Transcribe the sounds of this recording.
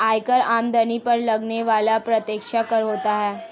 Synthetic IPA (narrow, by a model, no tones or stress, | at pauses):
ajkəɾamd̪ənipəɾləɡneʋalapɾət̪ekʂakəɾɦot̪aɦɛ